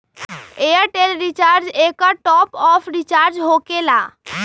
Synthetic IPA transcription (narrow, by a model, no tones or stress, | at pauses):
eəʈelɾit͡ʃaɾd͡ʒekəʈɔpɔpʰɾit͡ʃaɾd͡ʒɦokela